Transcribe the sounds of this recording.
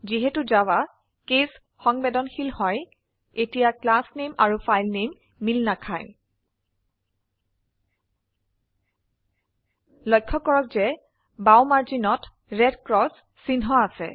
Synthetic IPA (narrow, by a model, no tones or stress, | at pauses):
ziɦɛtuzawa | kes | xɔŋbɛdɔnxilhɔj | etijaklasnemaɹufʰajlnemː | ilnakʰaj | lɔjkʰːɔkɔɹɔkzɛ | bawmaɹzinɔt | ɹɛdkɹɔsː | inɦɔasɛ̰